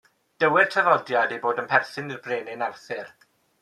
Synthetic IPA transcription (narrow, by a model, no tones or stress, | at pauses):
d̥əwɪr̥tʰəvɔdjadejboːdənpʰɛrθɪnirbreːnɪnarθɪr